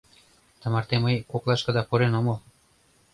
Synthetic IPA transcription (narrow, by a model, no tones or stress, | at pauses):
t̪ɤ̆mɑrt̪eməjkoklɑʃkɤ̆d̪ɑpuɾenomɤl